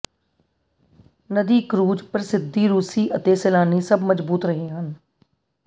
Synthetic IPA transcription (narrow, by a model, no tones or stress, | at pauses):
nəd̪iːkɾuːd͡ʒpɾɪsɪd̪ːiːɾuːsiːʔət̪eːsɛːlaːniːsəbməzbuːt̪ɾəɦẽːɦən